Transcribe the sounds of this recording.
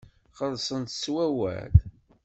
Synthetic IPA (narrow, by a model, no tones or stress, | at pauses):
χəðˤsˤənt̪swæwæ̰d̪